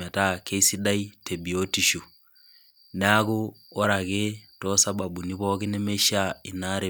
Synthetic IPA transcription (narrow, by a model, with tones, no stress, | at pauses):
a˨ta˦ke˦si˦da˦i˦te˨bi˨o˦ti˦ʃu˨ | na˦ɣu˦o˦ɾa˨ɣetosa˦ba˨bu˨ni˦βɔɣe˦ne˦me˦ʃa˦i˨na˦ɾe˨